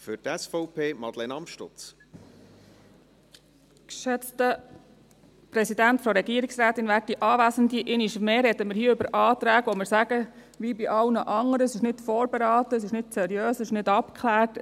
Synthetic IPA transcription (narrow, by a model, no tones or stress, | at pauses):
fʏɾtɛsfɔʊpʰeːmɑdlɛnɑmʃtʊ̰t͡s | kʃɛt͡stə | pɾɛsidæntfɔɾɛɡiəɾɪksɾæːtːɪnʋæːt̚iʔɑːʋæːzəndiʔɪnɪʃmeːɾɛd̥əmɪɾhiːəʏbəɾʔɑːt̪ɾæːɡʋɔmɪɾsæɡ̥ə | ʋibiʔɑlnəʔɑŋəɾəsɪʃnɪtfɔːɾb̥eɾɑːt̪əːs̬ɪʃnɪtsɛɾijøːssɪʃnɪdɑpkʰχlæːɾt